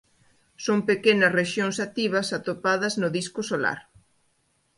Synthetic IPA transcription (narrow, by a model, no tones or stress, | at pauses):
soŋpekenɐsreʃjoŋsat̪iβ̞ɐsat̪opaðɐznʊðiskʊsola̰ɾ